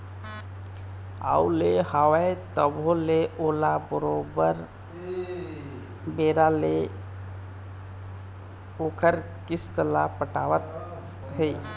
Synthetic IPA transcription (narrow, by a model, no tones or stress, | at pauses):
a̰ulehawaet̪əboleʔoːlabəɾobəɾ | beːɾale | okəɾ | kɪst̪əlapəʈaːwət̪ | ɦə